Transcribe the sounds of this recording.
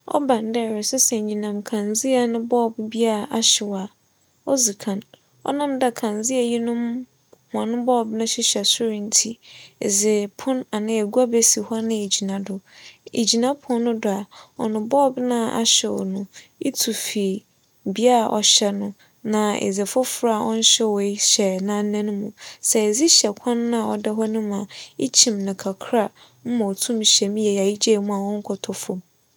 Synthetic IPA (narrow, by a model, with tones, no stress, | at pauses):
ɔ̰˦bã˨n˦dɛ˦˨ɾɪ˨sɛ˦sɛ˨ɲ˨ɲĩ˨nã˨mkʰã˨nzi˦a˨nʊ̃˦bɔ˦˨bbi˦a˦˨ʔa˨ɕɪ˨wa˨ | ɔ˦zi˨kʰã˨n | ɔ̰˦nã˦˨mda˦˨kʰã˨nzi˦ɛ˨ji˦nʊ̃˦m | hʊ˨ã˨nʊ̃˦bɔː˦˨bnʊ̃˦ɕɪ˦ɕɛ˨sʊ˦ɾĩ˨n̩˦tʰi˦ḛ˨d͡zɪ˨pʰʊ̃˦na˨nã˦æ˨ɡu˦a˦bɛ˦si˨hɔ˦nɪ̃˦e˨d͡ʑi˨nã˨dʊ˨ḛ˨d͡ʑi˨nã˦pʰʊ˨˦ɔ˦nʊ̃˦dʊ˨a˨ɔ̰˨nʊ̃˨bɔ˦bnã˦˨ʔa̰˦ɕɛ˨wɔ̰˨nʊ̃˨ | i˦tʰu˨fi˨ | bi˦a˦˨ʔɔ̰˨ɕɛ˦nʊ̃˦ | nã˨ḛ˨zɪ˨fʊ˦fɾa˦a˨wɔ̃˦n̩˦ɕɛ˦wɔ˨i˦ɕɛ˨nã˦n̩˦nã˦nʊ̃˦mũ˨sɛ˨ɛ˨zi˦ɕɛ˨kʷʰã˦nːã˦a˨ɔ̰˨dɛ˦ɦɔ˦nʊ̃˦mã˨i˦t͡ɕʰĩ˨mnɪ̃˨kʰa˨kʰɾa˦˨ | m̩˦mã˨ɔ˨tʰũ˦m˨ɕɛ˨mĩ˦jɛ˨ja˨i˦d͡ʑe˦˨mũ˦a˨wɔ̃˦ŋ̩˦kʰɔ˨tʰɔ˨fʊ˨m